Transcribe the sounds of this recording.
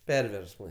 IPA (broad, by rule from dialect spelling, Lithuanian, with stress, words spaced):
ˈpʲɛrʲʋʲɛrsmɐɪ